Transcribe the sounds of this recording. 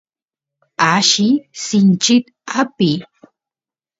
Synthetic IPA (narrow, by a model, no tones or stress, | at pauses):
aʃisɪnt͡ʃɪt̪ | api